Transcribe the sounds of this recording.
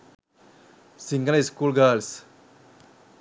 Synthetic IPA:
siŋɡɐliskuːlɡaːls

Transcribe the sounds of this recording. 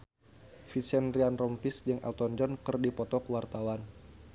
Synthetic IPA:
fisɛnrianrɔmpisd͡ʒəŋʔɛ̰lt̪ɔnd͡ʒɔnkɨrdipɔt̪ɔkəwart̪awan

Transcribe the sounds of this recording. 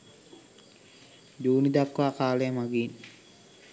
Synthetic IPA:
d͡ʒuːnid̪ap̚kʋaːkaːlejəmaɡiːn

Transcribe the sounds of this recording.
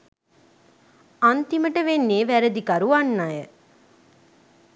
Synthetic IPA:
ant̪iməʈəʋenːeːʋæɾəd̪ikɐɾuʋanːajə

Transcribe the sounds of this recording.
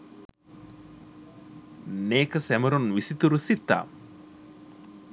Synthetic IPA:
neːkɐsɛmɐɾunʋisit̪uɾusit̪ːa̰ː

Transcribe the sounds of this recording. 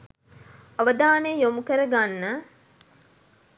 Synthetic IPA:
ɐʋəd̪aːnejomukəɾəɡanːə

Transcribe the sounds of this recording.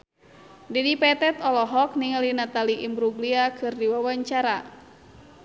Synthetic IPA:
dɛdipɛt̪ɛt̪ɔlɔɦɔk̚niŋalinat̪aliʔimbɾuɡliakʰɨrdiwawaɲt͡ʃaɾa

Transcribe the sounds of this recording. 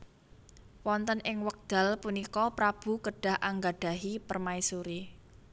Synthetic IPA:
wɔnt̪ənʔɪŋwək̚d̪̥a̤lpunikɔpɾab̥ṳkəɖ̥a̤hʔaŋɡaɖ̥a̤ɦipərmaisuɾi

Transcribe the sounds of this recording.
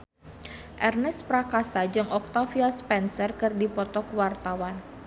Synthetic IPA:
ʔɛrnɛspɾakasad͡ʒɨŋɔk̚t̪afiaspɛnsərkɨrdipɔt̪ɔkwart̪awan

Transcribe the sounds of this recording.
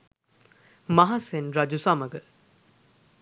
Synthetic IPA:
maɦasenɾad͡ʒusamɐɡə

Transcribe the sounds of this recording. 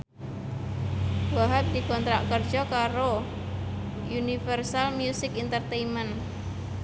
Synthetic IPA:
waɦat̪̚dikɔnt̪ɾaʔkərd͡ʒɔkaɾo | junifərsalmjusɪkint̪ərt̪eimən

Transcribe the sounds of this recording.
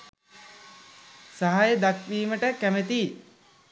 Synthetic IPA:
saɦajəd̪akʋiːməʈəkæmet̪i

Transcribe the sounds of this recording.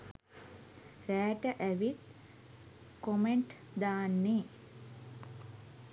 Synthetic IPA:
ræːʈəʔæʋit̪ | komeɳʈ | d̪aːnːe

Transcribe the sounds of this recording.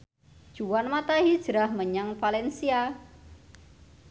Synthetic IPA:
ʒ̥uwanmat̪aɦid̥ʒ̥ɾahməɲaŋfalɛnsia

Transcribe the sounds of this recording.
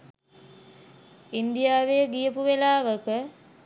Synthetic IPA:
ind̪ijaːʋejəɡijəpuʋelaːʋəkə

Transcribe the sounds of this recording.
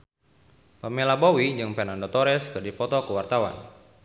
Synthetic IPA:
pamelabowid͡ʒɨŋpɛnandɔt̪ɔɾɛskɨrdipɔt̪ɔkəwart̪awa̰n

